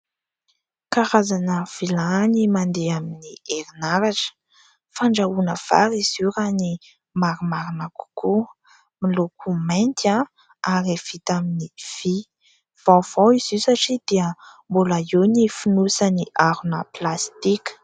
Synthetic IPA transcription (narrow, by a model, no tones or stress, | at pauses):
kaɾazanəv̥ilanimand̪eaminieɾinaɾaʈ͡ʂə̥ | faɳɖ͡ʐaunəv̥a̰ɾiz̥uɾani | maɾumaɾanaku̥ku | milokʰumajnt̪a | aɾev̥it̪aminiv̥i | v̥awv̥awiz̥isaʈ͡ʂid̪̥iəmbulaenifunusaniʔaɾunəplast̪ikə̥